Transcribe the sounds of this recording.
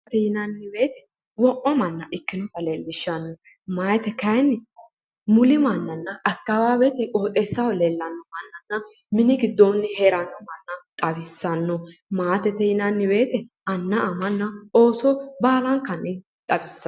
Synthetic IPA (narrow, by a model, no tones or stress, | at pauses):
t̪ɛjɪnɐnːɪbe̞ːt̪ɛ̥ | wɔʔɔmɐnːɐʔɪkːɪnɔt̪ɐlelːɪʃːɐnːɔ | mɐjt̪ɛkɐjnːɪ | mʊlɪmɐnːɐnːɐɐkːɐwaːbɛt̪ɛʔʼoːt̪ʼɛsːɐwɔlelːɐnːɔmɐnːɐnːɐmɪnɪɡɪd̪ːonːɪheːɾɐnːɔmɐnːɐt̪ʼɐbɪsːɐnːɔmaːt̪ɛt̪ɛjɪnɐnːɪbe̞ːt̪ɛ | ɐnːɐʔɐmɐnːɐo̞ːsɔbaːlɐŋkɐnːɪ | t̪ʼɐbɪsː